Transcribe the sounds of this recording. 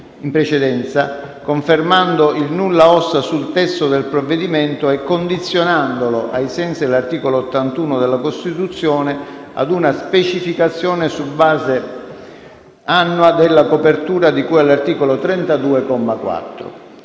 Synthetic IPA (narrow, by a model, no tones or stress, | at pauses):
impɾet͡ʃed̪ɛnt̪sa | koɱfermand̪oilnulːaɔsːasult̪ɛst̪od̪elpɾovːed̪iment̪oɛkːond̪it̪sːjonand̪oloʔajsɛnsid̪elart̪iːkolot̪ːant̪uːnod̪elːakost̪it̪ut̪sːjɔːne | a̰d̪unaspet͡ʃifikat̪sːjɔːnesubaːze | anːuad̪elːakopert̪uːɾad̪ikuɛlːart̪iːkolot̪ɾɛnt̪ad̪uːekɔmːakwa̰t̪ːɾo̰